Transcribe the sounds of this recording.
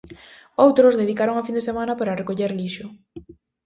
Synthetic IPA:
owt̪ɾʊzðeð̞ikaɾoŋafind̪esemãnɐpaɾarekoʎeɾliʃʊ

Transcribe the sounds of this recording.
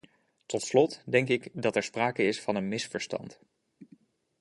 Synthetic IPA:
tɔtslɔtdɛŋkɪkdɑtɛɹspraːkəɪsfɑnənmɪsfəɹstɑ̰nt

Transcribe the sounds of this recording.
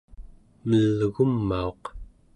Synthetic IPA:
məlːəɣumːao̞q

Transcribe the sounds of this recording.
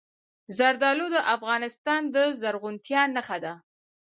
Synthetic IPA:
zaɾd̪ɑlod̪əʔafɣɑnɪst̪ɑnd̪əzaɾɣʊnt̪jɑnaxad̪a

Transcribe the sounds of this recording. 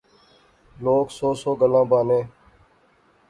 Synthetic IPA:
loːksoːsoːɡəlãːbaːnẽː

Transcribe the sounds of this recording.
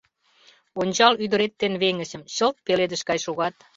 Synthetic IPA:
onʲt͡ɕɑlyd̪əɾet̪ːenβeŋə̆ɕə̆mɕəlt̪̚peled̪ə̆ʃkɑjʃoɣɑt̪

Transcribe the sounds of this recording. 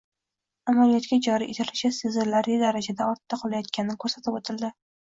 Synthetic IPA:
amanijɒt̪kʲad͡ʒɒɾiʔet̪ʰalɪt͡ʃasɪzɪɾlaɾɪd̪aɾad͡ʒad̪aɒɾt̪ːaqʰɒlˠajɒt̪̚kʲanɪnɪkʰɵɾsat̪ʰɪbot̪ʰɪlˠd̪ɪ

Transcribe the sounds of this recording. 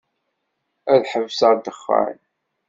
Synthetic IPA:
æðħəvːsæɾd̪əχːə̰n

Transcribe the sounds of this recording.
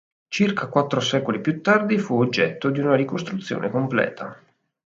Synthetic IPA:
t͡ʃirkʰakwat̪ːɾosɛːkolipjut̪ːard̪ifuod͡ʒːɛt̪ːod̪iunaɾikost̪ɾut̪sːjo̰ːnʔekomplɛ̰ːt̪ʰa

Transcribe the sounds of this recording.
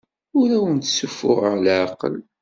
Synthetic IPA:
ʊɾæwənt̪sufːʊ̰ʁəʁlʕaqːə̰l

